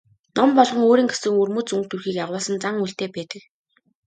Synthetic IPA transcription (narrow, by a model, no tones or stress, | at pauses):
nɔmpɔɮʁɞ̆ŋoːɾiːŋɡesɘ̆ŋɵrmuːt͡suŋk̚t̪ʰurxiːkjaʁwʊːsə̆nt͡saŋuɬt̪eːpæːt̪ə̆k